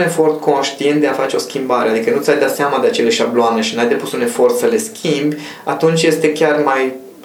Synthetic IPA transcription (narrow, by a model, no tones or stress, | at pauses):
ne̞fo̞rt̪kʰo̞nʃt̪ient̪̚d̪eafat͡ʃe̞o̞skʲimbaɾe̞ad̪ikənut̪sʲajd̪at̪seamad̪eat͡ʃe̞leaʃabloane̞ʃinajd̪e̞pusune̞fo̞rt̪səle̞skʲʰimbʲ | a̰t̪unt͡ʃʲje̞st̪e̞kʲarmaj